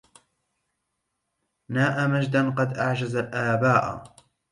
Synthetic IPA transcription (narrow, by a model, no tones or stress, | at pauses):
naːʔamad͡ʒd̪anqɑd̪ʔaʕd͡ʒazalʔaːbaːʔa̰